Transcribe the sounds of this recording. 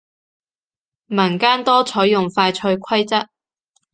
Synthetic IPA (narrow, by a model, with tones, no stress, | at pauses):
mɐ˨˩nkaː˥nt̪ɔː˥t͡sʰɔː˨˥jːʊ˨˩ŋfaː˧jt͡sʰɵ˧ɥkʷʰɐ˥jt͡sɐ˥t̚